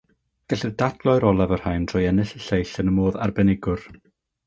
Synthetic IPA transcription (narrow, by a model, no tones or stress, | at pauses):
ɡ̥ɛɬɨðdad̥lˠɔɨɾɔlˠavər̥hajndʰr̥ɔjɛnɨɬəɬejɬənəmoːðarbɛnɪɡʊr